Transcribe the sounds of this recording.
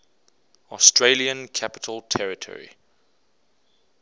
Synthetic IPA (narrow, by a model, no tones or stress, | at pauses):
ɔstɹeliə̃nkʰapɪ̥tʰəlˠtʰɛɹɪtʰɔ̰ɹḭ